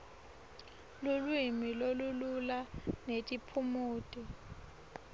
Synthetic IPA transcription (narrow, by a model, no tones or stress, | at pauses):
lulwimilolululanetʼipʰumuːtʼi